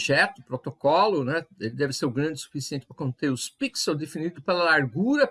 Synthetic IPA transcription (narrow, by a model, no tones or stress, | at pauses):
ʒɛt̪ʊpɾot̪okɔlʊnɛelɪd̪ɛvɪseɾʊɡɾɐ̃d͡ʒ̪ɪsu̥fisiẽt̪ɪ̥pɾɐkõnt̪eʊspiksewd̪efinid̪ʊpelɐlaɾɡuɾɐ